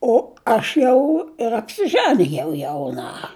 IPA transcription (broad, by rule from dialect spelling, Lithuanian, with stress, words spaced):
oː ˈɐʃ jɛʊ ɪr ɐpʲsʲɪˈʒɑːnʲɪjɛʊ jɛʊˈnɐ